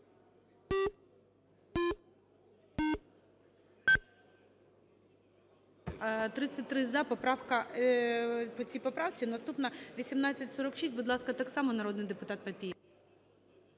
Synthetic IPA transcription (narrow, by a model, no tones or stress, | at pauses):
t̪ɾɪt͡sʲːɐt̚ʲt̪ɾɪzɐpɔpɾɑwkɐ | pɔt͡sʲijpɔpɾɑwt͡sʲinɐst̪upnɐʋʲisʲimnɑt͡sʲːɐtʲsɔɾɔkʃisʲtʲbʊd̪lˠɑskɐt̪ɑksɑmɔnɐɾɔd̪nɪjd̪epʊt̪ɑt̪̚pɐpʲij